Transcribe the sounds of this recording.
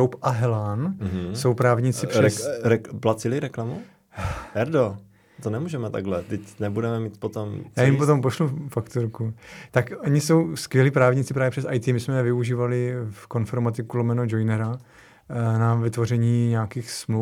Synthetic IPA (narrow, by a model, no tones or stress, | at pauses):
owpʔaɦɛlanɦso̞wpɾaːvɲit͡sɪprɾɛɾɛplat͡sɪlɪɾɛklamu | ɛɾdo | t̪onɛmuːʒɛmɛt̪a̰ɡlɛt̪ɛcnɛbudɛmɛmiːt̪pot̪omjaːjjɪmot̪o̞mpoʃlufakt̪oɾkut̪akʔoɲɪso̞wskvjɛliːpɾaːvɲit͡sɪpɾaːvjɛprɛsʔajt̪iːmɪsmɛvɪuʒiːvalɪfko̞nfɛɾmat̪ɪkulomɛnod͡ʒojnɛɾa | navɪt̪vo̞rɛɲiːɲaːkiːxsmlu